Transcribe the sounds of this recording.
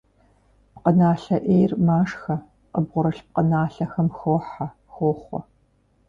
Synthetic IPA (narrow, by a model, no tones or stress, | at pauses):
pqənaːɬɐʔeːjrmaːʂxɐ | qəbʁʷʊɾɐɬp̚qənaːɬɐxɐmxoːħa | xoːχʷɔ̰